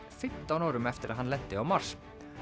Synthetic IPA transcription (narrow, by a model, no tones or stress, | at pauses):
fʏt̪ːɔnɔːɾʉmɛft̪əɾɦɑnlɛt̪ːəɔːmɑɾs